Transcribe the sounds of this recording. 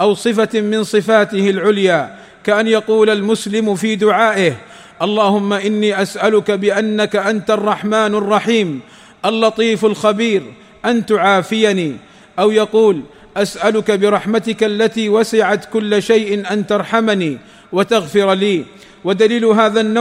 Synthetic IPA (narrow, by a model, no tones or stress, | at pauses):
ʔawsˤɨfamɪnsˤɨfaːt̪ɪhɪlʕʊljaː | kaʔanjɑquːlalmʊslɪmfiːd̪ʊʕaːʔɪh | ʔɑlˤːɑːhʊmːaʔɪnːiːʔasʔalʊkabɪʔanːakaʔant̪ɑrˤːɑħmaːnɑrˤːɑħiːm | ʔalːɑt̪ˤiːfalxabiːɾ | ʔant̪ʊʕaːfɪjaniː | ʔawjɑquːl | ʔasʔalʊkabɪɾˤɑħmat̪ɪkalːat̪iːwasɪʕat̪kʊlːaʃajʔɪnʔant̪ɑɾˤħamaniː | wat̪aɣfɪɾliː | wad̪aliːlʊɦaːðanːa